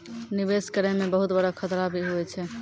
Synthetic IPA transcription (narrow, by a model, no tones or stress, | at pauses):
nibeskəɾɛmebəɦut̪bəɽakʰət̪ɾabʱiɦuɛt͡ʃʰɛ